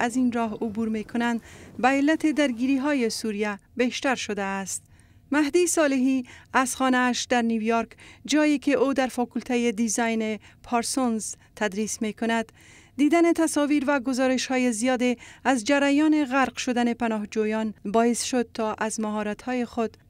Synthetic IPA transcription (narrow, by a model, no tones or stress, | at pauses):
azinɾɒɦʊbuɾmekʰʊnand̪baelːat̪ed̪aɾɡiɾiɦɒjesuɾijabeʃt̪aɾʃod̪aːst̪̚ | maɦd̪isɒleɦiazxɒnaːʃd̪aɾniwjoɾkd͡ʒɒjekeʔod̪aɾfɒkult̪ʰajed̪izɑjnepʰɑɾsonz | t̪ʰad̪ɾismekʊnad̪ː | id̪anet̪asɔviɾvaɡʊzɒɾeʃhɔjezijɒd̪eazd͡ʒaɾajɒneɣaɾqʃʊd̪anepanɒhd͡ʒujɒnbɒɪsʃod̪̚t̪ʰɒʔazmaɦɒɾat̪hɔjexod̪